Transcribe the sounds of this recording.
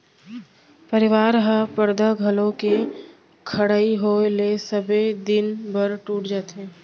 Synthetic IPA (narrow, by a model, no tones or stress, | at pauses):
pəɾɪʋaːɾɦəpəɾd̪aɡʱəlõke | kʰəɽaːiɦolesəbed̪ɪnbəɾʈuːʈd͡ʒaːt̪ɦẽː